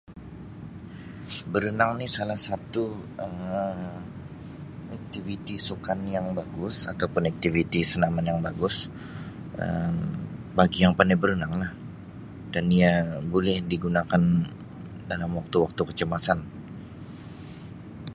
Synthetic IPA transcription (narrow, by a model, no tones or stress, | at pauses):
bəɾənaŋnɪhsalahsat̪uəm | ak̚t̪ivit̪isukanjaŋbaɡʊsat̪awpʊnak̚t̪ivit̪isənamanjaŋbaɡʊs | ʔə̰m | baɡijaŋpanɛbəɾənaŋlah | daniabolɛhdiɡunakan | dalamwak̚t̪uwak̚t̪ukət͡ʃəmasan